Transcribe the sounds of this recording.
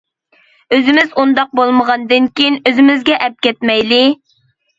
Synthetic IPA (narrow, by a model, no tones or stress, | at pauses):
øzɪmɪzund̪ɑq̚bolˠməʁɑnd̪ɨnkʲijinøzɪmɪzɡʲɛʔɛp̚kʲɛt̪mɛjlɪ